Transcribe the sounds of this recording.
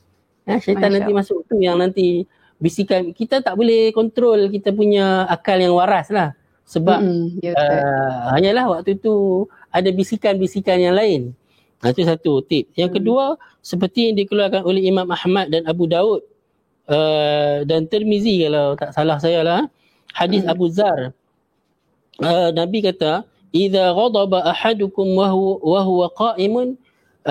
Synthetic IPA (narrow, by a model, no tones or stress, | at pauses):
əʃait̪anːant̪imasʊk̚t̪ujaŋnãnt̪i | bisikankit̪at̪aʔbolɛhkɔnt̪ɾolkit̪ap̬uɲaakaljaŋwaɾaslah | səbap̚əhaɲalahwak̚t̪ut̪u | adabisikanbisikanjaŋlaɪn | at̪us̬at̪ut̪ɪp̚jaŋkədua | səp̬ərt̪ijaŋdikəluarkanolɛhimãmahmat̪̚danabudaʊt̪̚ | ədant̪əlmizikalawt̪aʔsalahs̬ajalah | hadɪsabuzar | ənabikat̪a | ʔiðaɣɑd̪ˤɑbaʔaħadʊkʊmwaɦuwaqɑːʔimʊn